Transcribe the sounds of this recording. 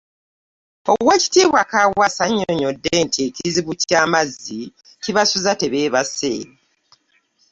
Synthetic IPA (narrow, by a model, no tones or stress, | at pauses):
o̞weci̥tiːβwakawwasaɲːoɲo̞dːentʰieciziβucaːmazːi | ciβasuzate̞βe̞ːβase̞ːɾe